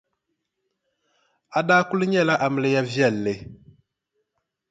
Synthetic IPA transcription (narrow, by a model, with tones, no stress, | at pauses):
a˦da˦ku˦lɲɛ˦˨la˦ʔa˨m˨le˦ja˦vjɛ˦˨lːe˨